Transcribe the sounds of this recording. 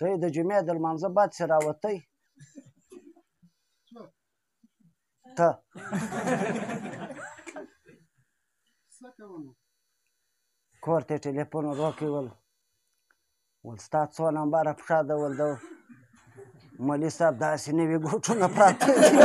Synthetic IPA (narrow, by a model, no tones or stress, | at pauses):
d̪̥əjd̪əd͡ʒumed̪əlmanzabad̪seɾɑwat̪əj | t̪ə | kʰoɾt̪eʈelepunoɾokiwəl | wəlst̪ɑt͡sonambaɾapʂɑd̪əwəld̪əw | malisab̚d̪asinəwiɡoʈ͡ʂunapɾɑt̪ədi